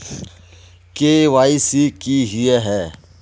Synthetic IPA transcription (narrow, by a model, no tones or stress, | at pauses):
keʋaːisikiɦʊeɦɛː